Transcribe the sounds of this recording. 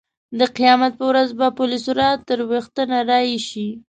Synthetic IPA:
d̪əqijɑmat̪̚pəwɾazbapʊlisoɾɑt̪əɾwext̪ənaɾɑjʃi

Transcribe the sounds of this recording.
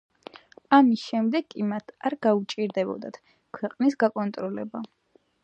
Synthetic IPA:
amisʃɛmd̪ɛɡʼimat̪ʰaɾɡaut͡ʃʼiɾd̪ɛbɔ̰d̪a̰t̪ʰ | kʰwɛqʼnisɡakʼɔnt̪ʼɾɔlɛba

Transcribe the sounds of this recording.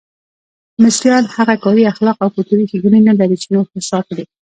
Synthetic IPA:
mɪsɾjɑlhaɣakɑɾiaxlɑqawkut̪uɾixiɡunenalaɾit͡ʃenoxt̪ɪsɑkd̪i

